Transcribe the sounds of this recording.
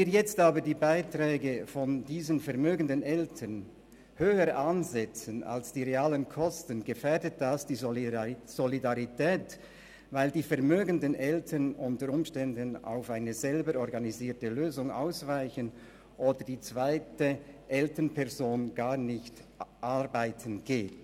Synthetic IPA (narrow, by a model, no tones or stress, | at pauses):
viːjɛt͡staːbədiːbaɪtrɛːɡəfɔndiːzənfɛʁmøːɡəndənɛltʰən | høːəɾʔanzɛt͡səna̰lsd̥iːʁeaːlənkʰɔstənɡəfɛdət̚d̥asd̥iː | z̥ɔlidaʁitʰɛːt | vaɪldiːfɛɐmøːɡəndənʔɛltʰənʊntəɾʊmʃtɛndəna̰ʊfaɪnəzɛlbəɾɔʁɡaniziːtəløːzʊŋa̰ʊsv̥aɪçən | ʔoːdəd̥iːt͡sv̥aɪtəʔɛltənpʰɛʁzoːnɡ̥aːʁnɪçtʔaʁbaɪtʰənɡ̥eːt